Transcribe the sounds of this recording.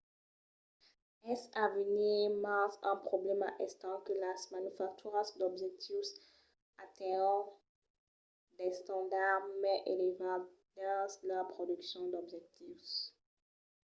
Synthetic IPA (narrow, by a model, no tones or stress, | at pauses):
ɛsavənimasɛ̃pχoblɛma̰ʔɛ̃st̪ɑ̃kəlasmanyfak̚t̪ʰyʁasd̪ɔbʒɛk̚t̪ʰis | at̪ɛ̃ | dɛst̪ɑ̃d̪aʁmɛʔelevad̪ɛ̃sləpχod̪yksjɔ̃d̪ɔbʒɛk̚t̪is